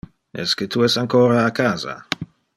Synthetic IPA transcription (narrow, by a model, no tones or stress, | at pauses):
ɛ̰sket̪ʰuɛsaŋkoːɾaːkaːza̰